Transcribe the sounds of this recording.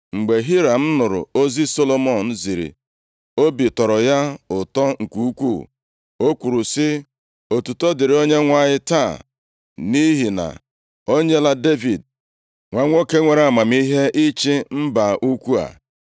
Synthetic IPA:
ŋ͡m̩˨ɡ͡be˨ɦi˦ɾa˨m̩˦nʊ˨ɾʊ̰˨o˦zi˦so˦lo˦mɔ˦˨n̩˦zi˨ɾḭ˨ | o˦bi˨tɔ˨ɾɔ˨ja˦ʊ˨tɔ˦ŋ̩˨ku˦˨u˦kʷu˦˨ | o˦kʷu˨ɾu˨sɪ˦ | o˨tu˨tɔ˦dɪ˨ɾi˨o˦ɲe˦ŋʷa˦˨ɲɪ˦ta˦˨ | ni˦ɦi˨na̰˨ | o˦ɲe˦la˦de˦vi˨d̚ | ŋʷa˦ŋʷo˦ke˦ŋʷe˨ɾa˨ma˨m˦i˦ɦe˦ʔi˦t͡ʃi˦m̩˦ba˨ʔu˦kʷu˦a̰˨

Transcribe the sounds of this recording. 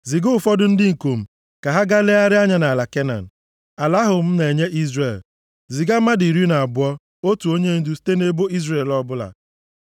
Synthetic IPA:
zi˨ɡʊ˦˨fɔ˦dʊ˦n̩˦dɪ˦ŋ̩˨ko˨m̩˨ | ka˨ɦa˦ɡa˦le˦a˦ɾɪ˦a˦ɲa˨na˨la˨ke˦na̰˨n̩˨ | a˨la˦ɦʊ˨m̩˦ne˨ɲe˦ʔi˦zre˨l | zi˨ɡa˦ma˦di˨ɾi˦na˨a˨bʊ˨˦ɔ˦ | o˦tu˨o˦ɲe˦n̩˦du˦si̥˦te˦ne˦bo˦i˦zre˦˨lɔ˦bʊ˦la̰˨

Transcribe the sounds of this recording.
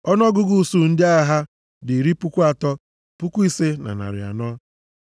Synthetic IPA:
ɔ˦nɔ˦ɡʊ˦ɡu˨su˨n̩˦dɪ˦a˦ɣɦa˦ | dɪ˨ɾi˦pu˦kʷu˦a˨tɔ˦ | pu˦kʷu˦i˦se˦na̰˨na̰˨ɾɪ̰˨a̰˨nɔ˦

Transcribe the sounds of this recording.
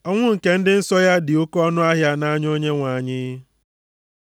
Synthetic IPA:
ɔ˦ŋʷʊ˦ŋ̩˨ke˦n̩˦dɪ˦n̩˦sɔ˦ja˦dɪ˨o˦kɔ˦nʊ˦a˦ɦja˦na˦ɲ˦o˦ɲe˦ŋʷa˨ɲɪ˦

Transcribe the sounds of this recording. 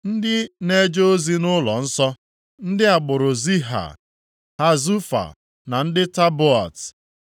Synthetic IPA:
n̩˦dɪ˦ne˦d͡ʒo˦o˦zi˦nʊ˦lɔ˨n̩˦sɔ˦ | n̩˦dɪ˦a˨ɡ͡bʊ˨ɾʊ˨zi˦ɦa̰˨ | ha˦zu˦fa̰˨ | na˨n̩˦dɪ˦ta˦bʊ˦a̰˨t

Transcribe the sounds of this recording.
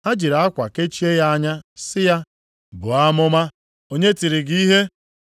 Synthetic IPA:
a˦d͡ʒi˨ɾa˨a˦kʷa˨ke˦t͡ʃi˦e˦ja˦a˦ɲa˦sɪ˦ja˦ | bʊ˨a˦mʊ˦ma˦ | o˦ɲe˦ti˨ɾɪ˨ɡi˦ɦe˦

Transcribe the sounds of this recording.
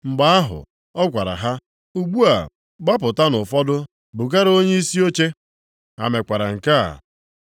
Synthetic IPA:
ŋ͡m̩˨ɡ͡ba˨a˦ɦʊ̰˨ | ɔ˦kʷa˨ɾa̰˨ɦa˦ | u˦ɡ͡bu˦a̰˨ | ɡ͡ba˦pʊ˨ta˦nʊ˨fɔ˦dʊ˦ | bʊ˨ka˦ɾo˦ɲe˦i˦si˦o˦t͡ʃe˦ | a̰˨me˨kʷa˨ɾa̰˨ŋ̩˨ka̰˦˨

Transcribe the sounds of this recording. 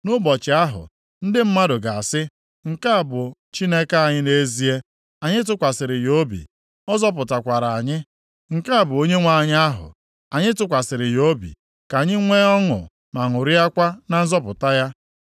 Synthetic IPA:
nʊ˦bɔ˨t͡ʃɪ˨a˦ɦʊ̰˨ | n̩˦dɪ˦m̩˦ma˦dʊ˨ɡa˨a˨sɪ˦ | ŋ̩˨ka˦a˨bʊ˨ | t͡ʃi˦ne˦ka˦a˨ɲɪ˦ne˦zi˦e˦ | a˨ɲɪ˦t̬ʊ˦kʷa˨sɪ˨ɾɪ˨jo˦bḭ˨ | ɔ˦zɔ˦p̬ʊ˨ta˨kʷa˨ɾa˨ɲɪ˦ | ŋ̩˨ka˦a˨bʊ˨o˦ɲe˦ŋʷa˨ɲ˦a˦ɦʊ̰˨ | a˨ɲɪ˦tʊ˦kʷa˨sɪ˨ɾɪ˨jo˦bḭ˨ | ka˨ɲɪ˦ŋʷe˦ɔ˦ŋʊ̰˨ | ma˨ŋʊ˨ɾɪ˦a˦kʷa˦na˨n̩˦zɔ˦pʊ˨ta˦ja˦

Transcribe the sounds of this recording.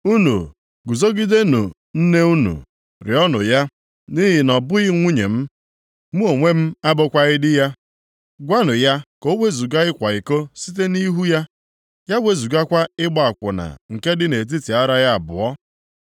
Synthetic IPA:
u˦nṵ˨ | ɡu˨zo˦ɡi˦de˦nʊ̰˨ | n̩˦ne˦u˦nṵ˨ | ɾɪ̰˨ɔ˦nʊ̰˨ja˦ | ni˦ɦɪ˨nɔ˨bʊ˦ɣɪ˦ŋʷu˦ɲḛ˨m̩˦ | mu˦o˨ŋʷe˦m̩˦a˦bʊ˦kʷa˦ɣɪ˦dɪ˦ja˦ | ɡʷa˦nʊ˨ja˦ko˦we˦zu˨ɡa˦ɪ˦kʷa˨ɪ˨ko˦si˦t̬e˦ni˦ɦu˦ja˦ | ja˦we˨zu˨ɡa˦kʷa˦ɪ˦ɡ͡ba˦˨a˨kʷʊ˨na̰˨ŋ̩˨ke˦dɪ˦ne˨t̬i˦ti˨a˦ɾa˦ja˦a˨bʊ̰˨ɔ˦

